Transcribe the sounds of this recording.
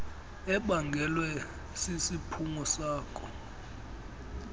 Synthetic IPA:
ɛɓaŋɡʱɛlwɛ | sisipʰuŋɔsaːkʰʼɔ

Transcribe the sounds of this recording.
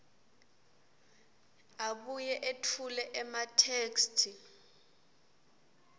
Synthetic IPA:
aɓujɛʔetʰulɛʔɛmatʰeːkstʰi

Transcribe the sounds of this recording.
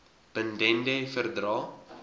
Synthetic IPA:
b̥əndɛndɛfərdrɑː

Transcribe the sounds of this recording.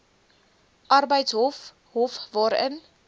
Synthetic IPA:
ʔɐrbəjtsɦɔf | ɦɔfvɑːɾə̰n

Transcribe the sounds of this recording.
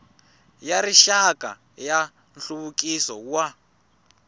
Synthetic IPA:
jaɾiʃakʼa̰ | ja | nɬuβukʼisɔwwa

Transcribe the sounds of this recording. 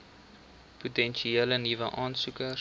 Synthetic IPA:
putɛnʃieːlənivəʔɑːnsukə

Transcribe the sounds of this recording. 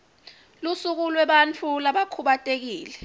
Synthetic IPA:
lusuk̬ulwɛɓant͡fʰulaɓakʰuɓatʼek̬iːlɛ

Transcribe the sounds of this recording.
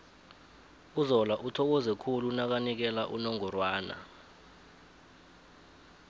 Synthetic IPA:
uzɔlaʔutʰɔk̬ɔzɛkʰulunak̬anik̬ɛlaʔunɔŋɔrwaːna̰

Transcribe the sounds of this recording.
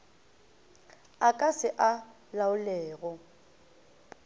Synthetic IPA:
akʼasɪʔa | laʊlɛːɣɔ

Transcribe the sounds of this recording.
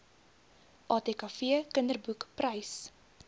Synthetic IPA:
ʔɑːtekɑfiəkəndərbukprɐjs

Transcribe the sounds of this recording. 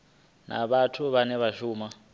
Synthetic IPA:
na̰βatʰuβanɛβaʃuːma

